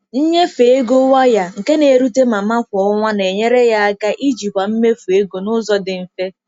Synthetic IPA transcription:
n̩˦ɲe˦fe˨e˦ɡo˦wa˦ja˨ŋ̩˨ke˦ne˨ɾu˦te˦ma˨ma˦kʷɔ˨˦ŋʷa˦ne˨ɲe˦ɾe˦ja˦a˦ka˦ʔi˦d͡ʒi˨kʷa˨m̩˦me˦fu˨e˦ɡo˨nʊ˦zɔ˦dɪ˨m̩˨fe˦

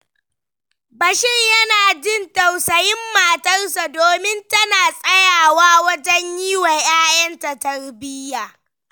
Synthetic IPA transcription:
bɐ˨ʃɪ˦ɲjɐ˦naː˨d͡ʒɪ˦ntɐ˨wsɐ˨jɪ˦mːaː˨tɐ˦rsa˨doː˨mɪ˦ntɐ˦naː˨sʼɐ˦jaː˨waː˦wɐ˦d͡ʒɐ˦ɲjiː˦wɐ˨ɲjaː˦jɐ˦nta˨tɐ˨˦rbɪ˦jaː˨

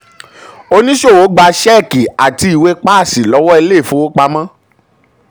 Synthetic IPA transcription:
o˧nĩ˦ʃo˦˨wo˨˦ɡ͡ba˧ʃɛ˦˨ki˨a˨ti˧i˨we˧k͡pa˦˨si˨lɔ˨˦wɔ˦e˧le˦˨fũ˦wo˦k͡pa˧mã˦

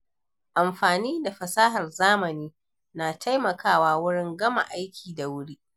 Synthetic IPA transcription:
ʔa˨mɸaː˨niː˦da˨ɸɐ˨saː˦ɦɐ˨rzaː˦mɐ˨niː˦ | naː˨tʰa˦jmɐ˨kaː˦˨waː˦wʊ˦ɽɪ˦ŋɡɐ˦ma̰˨ʔa˦jkʲʰiː˨da˨wʊ˦ɽi˦ʔ

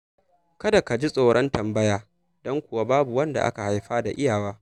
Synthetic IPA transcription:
kɐ˦da˨ka˨d͡ʒi˦sʼoː˨ɽʔɐ˦ntɐ˨mbɐ˦jaː˦ | dɔ˦ŋkʷʊ˨wa˦baː˦bu˨wɐ˦nda̰˨ʔa̰˦ka˨ha˨jɸaː˦da˨ʔɪ˦jaː˨waː˦

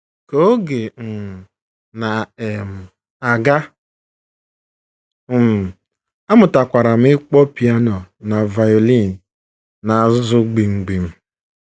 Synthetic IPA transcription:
ko˦o˦ɡe˨m̩˨ | na˨m̩˨ | a˨ɡa˦˨ | m˨ | a˦mʊ˨ta˨kʷa˨ɾa˨m̩˦ɪ˦k͡pɔ˦pi˨a˦nɔ˨na˨va˨jo˨li˦˨n˨ | na˨a˨ʊ˦zʊ˦ɡ͡bi˨ŋ͡m̩˨ɡ͡bi˨m̩˦

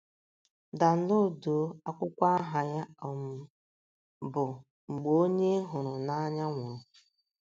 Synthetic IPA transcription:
da˨n̩˦no˦˨do˨˦a˦kʷʊ˦kʷa˦a˦ɦa˨ja˦ɔ˨m̩˦ | bʊ˨ | ŋ͡m̩˨ɡ͡bo˦o˦ɲe˦ɦʊ˨ɾʊ˨na˦ɲa˦ŋʷʊ˨ɾʊ˨

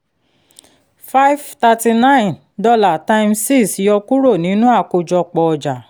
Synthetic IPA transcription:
fa˦i˦vta˧ti˧nã˦ĩ˨n | dɔ˦la˨tã˦˧msi˦˨si˨˧˦ɔ˧ku˦ɾo˦˨nĩ˨˦nũ˦a˦˨ko˧d͡ʒɔ˧k͡pɔ˧˨ɔ˨d͡ʒa˨

